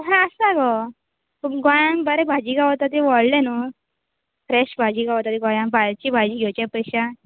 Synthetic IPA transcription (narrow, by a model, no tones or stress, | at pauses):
ɦãəsaɡɔ | ɡɔjãŋbəɾebʱad͡ʑiɡaʋt̪at̪iʋɔɽlẽnu | fɾɛɕbʱad͡ʑiːɡaʋt̪at̪iɡɔjãŋbʱajt͡ɕibʱad͡ʑiːɡʱewt͡ɕapəjɕa